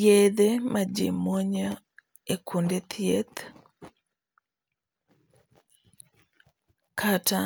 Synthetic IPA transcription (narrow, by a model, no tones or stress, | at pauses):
jed̪emad͡ʒḛmoɲɔ | ekʰundet̪ʰjet̪ | kʰata